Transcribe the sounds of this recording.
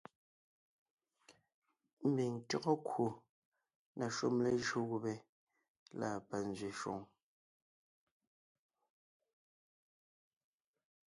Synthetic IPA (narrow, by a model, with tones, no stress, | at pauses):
m̩˦˨bi˨ŋ̩˨tɔ˦ɣɔ˦kwu˨ | na˨ʃu˦mle˦ʒu˦ɣu˨bɛ˨ | la̰˦˨pa˨n˨zɥe˨ʃwɔ̰˨ŋ